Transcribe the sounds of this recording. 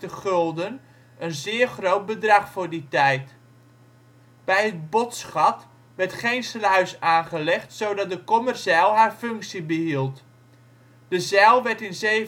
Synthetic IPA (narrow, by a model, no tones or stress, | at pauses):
təχølˠdən | ənzɪːχrowt̚bədrɑχfʊːɹditɛjt | b̥ɛjɦət̚botsχɑt | ʋɛrtχejnslœɥsaːnχəlɛχtsowdɑt̚dəkomərsɛlˠɦaːrfɵŋksibəɦilˠt | d̥əzɛlˠʋɛɹtɪnze